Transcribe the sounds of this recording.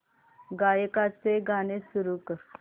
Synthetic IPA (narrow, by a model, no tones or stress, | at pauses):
ɡajkat͡seɡʱanesuɾukəɾ